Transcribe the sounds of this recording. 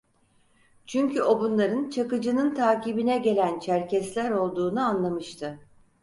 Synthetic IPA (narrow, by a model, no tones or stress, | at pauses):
t͡ʃʰyɲcʰyo̞bunlˠaɾɯnt͡ʃʰakɯd͡ʒɯnɯnt̪ʰaːcibinɛɟe̞lʲænt͡ʃʰæɾcɛslʲæɾo̞lˠd̪uːnuanlˠamɯʃt̪ʰɯ